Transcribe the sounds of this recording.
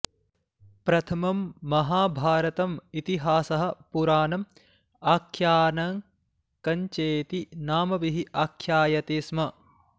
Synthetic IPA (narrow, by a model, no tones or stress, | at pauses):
pɾɐt̪ʰɐmɐmːɐɦaːbʱaːɾɐt̪ɐmit̪iɦaːsɐɦɐ̆puɾaːnɐm | aːkʰjaːnɐŋ | kɐɲt͡ʃeːt̪inaːmɐʋiɦiʔaːkʰjaːjɐt̪eːsmɐ